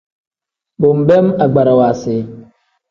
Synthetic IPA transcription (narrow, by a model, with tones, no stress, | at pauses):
bʊ˨m̩˨bɛ˦ma˨ɡ͡ba˨ɾa˨wa˨sɪ˨˦